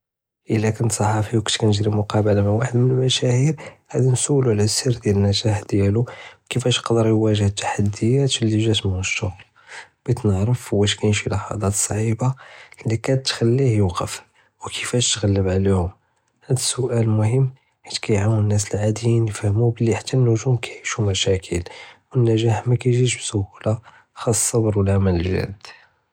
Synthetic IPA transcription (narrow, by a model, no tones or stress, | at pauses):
ʔəlːækənt̪sˤɑħɑfiwkut̪kænəʒɾimʊqɑbəlamawaħəd̪mənəlmæʃæhiɾhæd̪insuwːluʕlæsiɾd̪jælənːæʒæħd̪jæluwkəfæʃjəqd̪əɾjwæʒəht̪ːḁħad̪ːəjæt̪lːiʒæt̪mnəʃːʊɣl | b̥it̪nəʕɾəfhwːæʃkæjənʃilɑħɑ̰d̪ˤɑt̪sˤʕibalːikæt̪ːxælːihjʊwqəf | wkʰəfæʃt̪ɣælːəbʕlihʊm | hæd̪əsːʊʔælmʊhəmː | ħit̪kæjʕawnnːæs̬əlʕad̪jinjəfhəmubəlːiħat̪ːænːʊʒumkæʕiʃumæʃækʰəlwənːæʒæħmækæjʒiʃbsʊhula | xɑsˤːɑbəɾwəlʕamæləlʒæ̰d̪